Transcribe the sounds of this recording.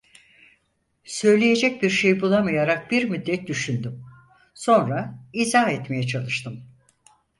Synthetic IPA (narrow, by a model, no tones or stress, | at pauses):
sø̞jlʲeje̞d͡ʒɛc̚biɾʃejbulˠamajaɾak̚biɾmyd̪ːɛt̪̚d̪yʃynd̪ym | so̞nɾaizaɦɛt̪me̞jɛt͡ʃʰalˠɯʃt̪ʰɯm